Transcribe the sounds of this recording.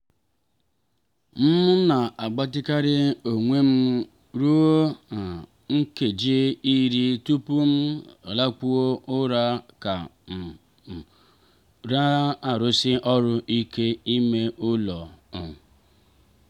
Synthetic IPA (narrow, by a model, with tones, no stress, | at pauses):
m̩˦mʊ˦na˨ʔa˨ɡ͡ba˦tɪ˦ka˦ɾɪ˦o˨ŋʷe˦m̩˦ | ɾu˦o˦a˨ | ŋ̩˦ke˨d͡ʒi˦i˦ɾi˦tu˦pu˦m̩˦a˨la˦k͡pu˦o˦ʊ˦ɾa˦ka˨ | ɾa˦a˨ɾʊ˦sɪ˦ʔɔ˦ɾʊ˦ʔi˦ke˦i˦me˦ʔʊ˦lɔ˨